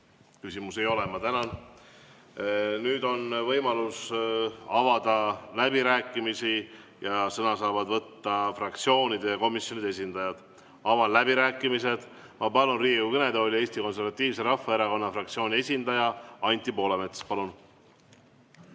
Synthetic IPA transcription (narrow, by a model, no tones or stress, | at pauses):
kysʲimuse̞jo̞lemɑt̪ænɑn | nyːd̪o̞nvɤjmɑlus | ɑvɑd̪̥ɑlæbiɾæːkːˑimisi | jɑsɤnɑsɑːvɑd̪vɤt̪ːɑfrɑkt̪sio̞ːnʲid̪̥ejɑko̞misjo̞nid̪̥ee̞sʲind̪̥ɑjɑd̪̥ | ɑvɑnlæbiɾæːkːˑimise̞d̪̥ | mɑpɑlunriːukɤne̞d̪eolʲie̞ːst̪iko̞ns̬e̞ɾvɑt̪ːˑiːvse̞ɾɑfːɑeɾɑko̞nːɑfrɑkt̪sio̞ːnʲie̞sʲind̪̥ɑjɑɑnʲt̪ʲˑːipo̞ːlemet̪spɑlun